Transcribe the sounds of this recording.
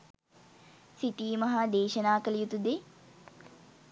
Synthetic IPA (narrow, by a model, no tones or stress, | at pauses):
siʈiːmɐɦad̪eːʃɐnaːkəlijut̪ud̪e